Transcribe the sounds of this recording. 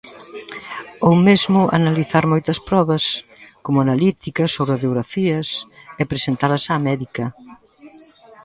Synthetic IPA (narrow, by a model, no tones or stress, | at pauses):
owmezmʊʔa̰naliθaɾmɔjt̪ɐspɾɔβɐs | komʊanalit̪ikɐsowβɾaðeoɣɾafiɐsɛpɾesent̪aɾɐsaːmɛðikɐ